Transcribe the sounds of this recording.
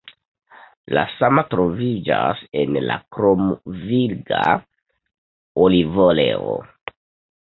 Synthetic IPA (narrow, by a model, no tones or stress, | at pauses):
lasamatɾo̞vid͡ʒasenlakɾomvilɡa | olivoleo̰